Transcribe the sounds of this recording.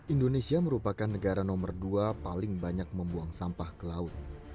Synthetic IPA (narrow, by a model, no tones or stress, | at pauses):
ʔindonesiaməɾupakanːəɡaɾanɔmərduapalɪŋbaɲak̚məmbuaŋsampahkəlaʊt̪̚